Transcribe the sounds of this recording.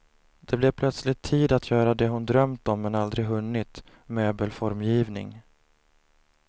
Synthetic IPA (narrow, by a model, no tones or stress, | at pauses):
d̪̥ɛblɛvpʰlœt̪slɪt̪ʰːiːd̪at̪ʰjœːɾad̪ɛɦʊnd̪ɾœmt̪ɔmːɛnald̪ɾɪɡɦɵnːɪt̪ | møːbəlfɔɾmjiːvnɪ̰ŋ